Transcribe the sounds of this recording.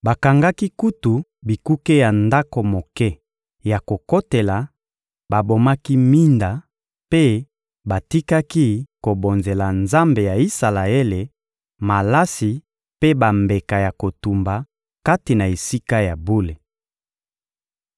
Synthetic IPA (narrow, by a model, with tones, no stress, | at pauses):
ba˨ka˨ŋɡa˦ki˦ku˦tu˨bi˨ku˦ke˦ja˨nda˦ko˨mo˨kɛ˦ | ja˨ko˨ko˦te˨la˨ | ba˨bo˨ma˦ki˦mi˦nda˨ | pe˦ | ba˨ti˦ka˦ki˦ko˨bo˨nze˨la˨nza˦mbe˨ja˨i˦sa˨la˨e˦le˨ | ma˨la˦si˨ | pe˦ba˨mbe˨ka˨ja˨ko˨tu˨mba˨ | ka˦ti˨na˨e˨si˦ka˦ja˨bu˦le˨